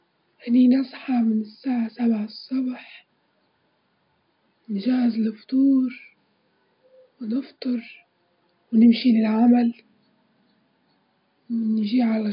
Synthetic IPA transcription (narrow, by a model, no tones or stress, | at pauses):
ʔɪniːnɑsˤħɑmɪnɪsːaːʕasabʕsˤːɑbħ | nʒaɪzlɪft̪ˤuːɾ | wɪnɪft̪ˤɨɾ | wnɪmʃilɪlʕamal | wɪnʒiːʕala